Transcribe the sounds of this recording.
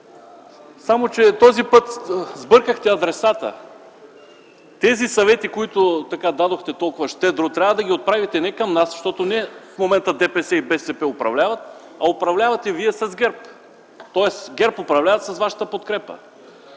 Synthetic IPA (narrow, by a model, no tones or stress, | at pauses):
samot͡ʃɛt̪ɔzipɤt̪zbɤɾkəxt̪ɛɐd̪ɾɛsat̪ə̰ | t̪ɛzisɐvɛt̪ikoit̪ʊt̪ɐkad̪ad̪oxt̪ɛt̪ɔlˠkʊvɐʃt̪ɛd̪ɾut̪ɾʲavəd̪ɐɡʲiot̪̚pɾavit̪ɛnɛkɐmnasʃt̪ɔt̪onɛfmomɛnt̪əd̪ɛpɛsɛibɛsɛpɛopɾɐ̰vlʲavɐt̪ | ɐopɾɐvlʲavɐt̪ɛviɛsɐzɡʲɛɾp | t̪ɔɛsɡʲɛɾpopɾɐvlʲavɐt̪sɐsvaʃə̥t̪əpot̪kɾɛpə̰